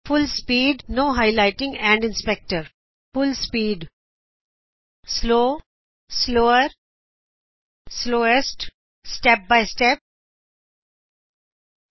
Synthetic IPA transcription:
fʊlspiːɖnoːɦaɪlaɪʈɪ̃ŋɡɛ̃ɳɖɪ̃nspɛk̚ʈəɾ | fʊlspiːɖ | sloː | sloːəɾ | sloːesʈ | sʈɛp̚baɪsʈɛp̚

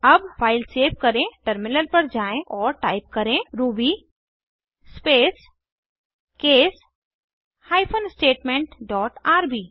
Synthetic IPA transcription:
ɐbpʰaːɪlseːʋkɐɾẽʈəɾmɪnəlpɐɾd͡ʒaːẽʔɔːɾʈaːɪp̚kɐɾẽɾuːbi | speːs | keːs | haːɪpʰənsʈeːʈmẽɳʈɖɔːʈaːɾbiː

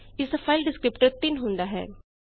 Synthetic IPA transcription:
ɪsafʰaɪlɖɪskɾɪpʈəɾt̪ɪnɦʊ̃nd̪aɦɛ̰ː

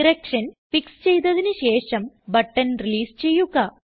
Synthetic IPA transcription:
iɾɐkʂɐnfikst͡ɕejt̪ɐðinɨɕe̞ːʂɐmbɐʈːɐnriliːst͡ɕe̞jːuɣɐ

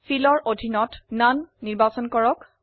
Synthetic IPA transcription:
filɔɹʔodʱinɔtnanːiɹbasɔnkɔɹɔk

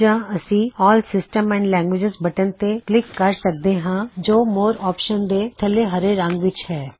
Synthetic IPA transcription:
d͡ʒãːəsĩːɔːlsɪsʈəmɛ̃ːɳɖlɛ̃ːŋɡʋɪd͡ʒɪzbəʈənt̪eklɪkːəɾsək̚d̪eːɦãːd͡ʒoːmoːɾɔːpʃənd̪eːt̪ʰəleɦəɾeɾə̃ŋɡʋɪt͡ʃhɛː

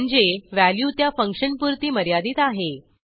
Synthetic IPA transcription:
əɳd͡zeʋæljuːt̪jafəŋkʂənpuɾt̪iːməɾjad̪iːt̪aɦe

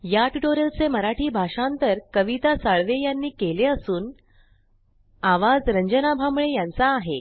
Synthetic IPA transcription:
jaʈʈoɾelt͡seməɾaʈʰiːbʱaʂaənt̪əɾkəʋit̪asaɭʋejanːiːkeleəsuːn | aʋad͡zɾəɲd͡ʑənabʱamɭejant͡saːɦḛ

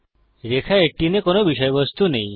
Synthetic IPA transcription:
ɾekʰaeʈinekonobiʃɔjbɔst̪unej̃

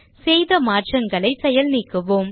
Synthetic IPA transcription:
seːjðɐmaːʈt͡ʃɐŋɡɐɭɐɪsɛjɐlniːkːɯʋoːm

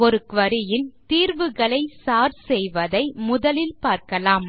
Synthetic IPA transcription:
ɔɾɯkʋɐɾɪjɪnt̪iːɾʋɯɣɐɭɐɪsaːɾsɛjʋɐðɐɪmʊðɐlɪlpaːɾkɐlaːm

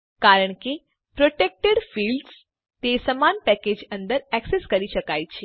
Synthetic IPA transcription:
kaɾəɳ̃ki | pɾoʈek̚ʈeɖfiːlɖs | t̪esəmanpɛked͡ʑənd̪əɾɛkseskəɾiɕəkajt͡ɕʰe

